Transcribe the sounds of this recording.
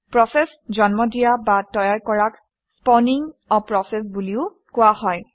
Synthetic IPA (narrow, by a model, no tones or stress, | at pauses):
pɹɔsɛs | zɔnmɔdijabatɔjaɹkɔɹak | spɔniŋɔpɹɔsɛsbuliʊ | kʊwahɔj